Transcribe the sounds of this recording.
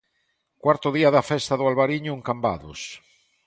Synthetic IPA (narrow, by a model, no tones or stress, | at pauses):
kwaɾt̪ʊðiaðafɛst̪aðʊalβaɾiɲʊeŋkamba̰ðʊ̰s